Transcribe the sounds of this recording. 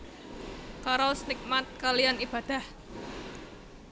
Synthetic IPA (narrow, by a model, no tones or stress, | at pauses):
kaɾɔlsnɪk̚mat̪̚kalijanib̥a̤d̪̥a̤h